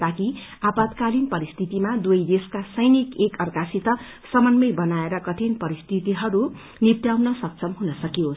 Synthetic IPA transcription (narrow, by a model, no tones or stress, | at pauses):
t̪akiapat̪kalinpʌɾist̪ʰit̪imad̪ujd̪eskasʌjnikekʌrkasit̪ʌ | sʌmʌnmʌjbʌnaeɾʌkʌt̪ʰinpʌɾist̪ʰit̪iɦʌɾu | nipt̪jawnʌsʌk̚t͡sʰʌmɦunʌsʌkijo